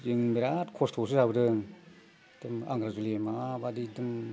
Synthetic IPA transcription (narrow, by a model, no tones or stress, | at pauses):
jɯŋmeɾatkʰɔstʰos̬ɯzabɯdɯŋ | d̥ɯma̰ŋɡɾazulemabadidɯm